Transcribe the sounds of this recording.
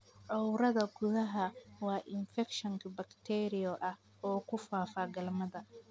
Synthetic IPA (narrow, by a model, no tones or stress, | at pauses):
ʕɔwɾɐðɐɡʊðɐɦɐwɑːʔɪnfɛkʃɔŋkʰɐbɐkt̪ʰɛːɾɪjɔʔɐh | ɔːkʰʊfaːfaːɡɐlmɐðɐ